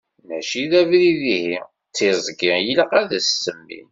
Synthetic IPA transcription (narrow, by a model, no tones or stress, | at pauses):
mæʃiðævɾiðihi | t͡sːizˤɡiʁjiləqæðæsːəmːḭ